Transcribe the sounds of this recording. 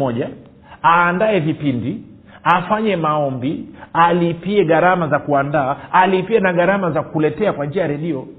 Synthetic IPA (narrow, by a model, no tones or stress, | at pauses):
ɔʄa | aːndaɛvipindi | afaɲɛmaɔmbialipiɛɠaɾamazakuandaːlipiɛnaɠaɾamazakulɛtɛakwand͡ʒiajaɾɛɗiɔ